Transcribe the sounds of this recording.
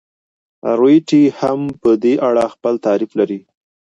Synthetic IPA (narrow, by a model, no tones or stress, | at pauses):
ɾwjʈihampəd̪eʔaɽaxpəlt̪ɑɾiflaɾi